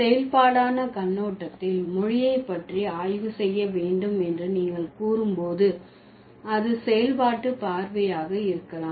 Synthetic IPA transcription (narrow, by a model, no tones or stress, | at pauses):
sɛjɐlpaːɽaːnɐkɐnːoːʈːɐt̪ːɪlmʊɻɪjɐɪpːɐʈriaːjʋɯsɛjːɐʋeːɳɖɯmɛndrɯniːŋɡɐɭkuːɾɯmpoːðɯ | ɐðɯsɛjɐlpaːʈːɯpaːɾʋɐjaːɣɐɪɾɯkːɐlaːm